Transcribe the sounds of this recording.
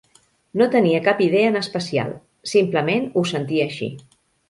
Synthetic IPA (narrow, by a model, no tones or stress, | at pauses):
not̪əniəkapiðeəːnəspəsia̰lˠ | simpləmenusənt̪iəːʃḭ